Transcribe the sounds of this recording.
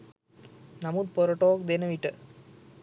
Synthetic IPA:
nɐmuːd̪̚pɔɾɐʈːoːkd̪eːnɐʋɪʈːɯ

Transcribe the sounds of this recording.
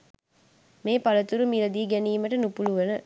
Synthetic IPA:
meːpɐlɐt̪uɾumilɐd̪iːɡæniːmɐʈɐnupuluʋɐnə

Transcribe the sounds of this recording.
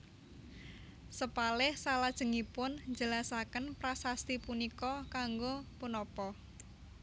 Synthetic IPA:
səpalɪhsalad̥ʒ̥ə̤ŋipʊnd͡ʒəlasakənpɾasast̪ipunikɔkaŋɡopunɔpɔ

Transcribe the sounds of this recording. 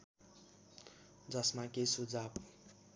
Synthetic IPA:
d͡zʌsmakesud͡zab

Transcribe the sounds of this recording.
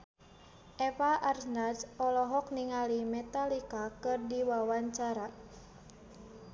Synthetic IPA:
ʔɛfaʔarsnasɔlɔɦɔk̚niŋalimɛt̪alikakɨrdiwawaɲt͡ʃaɾa

